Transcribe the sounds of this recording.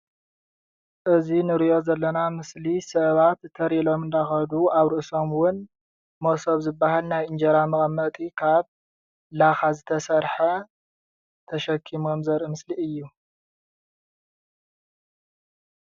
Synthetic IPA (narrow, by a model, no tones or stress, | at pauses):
ʔɨzinɨɾiʔjo̞zɐlːɐnamɨslisɐβat̪ʰːɐɾilo̞mɨnd̪axɐd̪uaβɾɨʔso̞mwʊn | mosoβzɨbːaɦalnajɨnd͡ʒɐɾamɐɣʼɐmːɐt̪ʼikʰaβ | laxazɨt̪ʰɐsɐɾħɐ | t̪ʰɐʃɐkʰːimomzɐɾɨmɨsliʔɨjːu